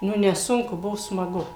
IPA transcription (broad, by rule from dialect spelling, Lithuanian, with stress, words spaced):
ˈnʊ nʲɛˈsʊŋkʊ ˈbʊʋoː smɐˈɡʊ